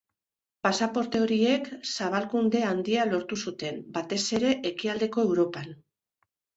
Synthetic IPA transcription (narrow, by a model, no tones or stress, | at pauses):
pasapo̞ɾt̪e̞o̞ɾie̞ksaβ̞alkund̪e̞and̪ialo̞ɾt̪usut̪e̞mbat̪e̞se̞ɾe̞ʔekiald̪e̞ko̞e̞wɾo̞pan